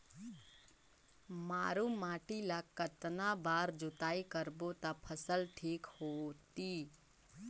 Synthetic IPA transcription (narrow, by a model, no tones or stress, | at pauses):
maːɾumaːʈilakət̪nabaːɾd͡ʒʊt̪aːikəɾbot̪apʰəsəlʈʰiːkhoːt̪iː